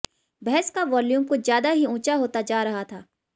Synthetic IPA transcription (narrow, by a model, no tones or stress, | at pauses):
bɛɦskaʋɔːljũːmkozjaːd̪aɦiũːt͡ʃaɦoːt̪ad͡ʒaːɾɐɦat̪ʰaː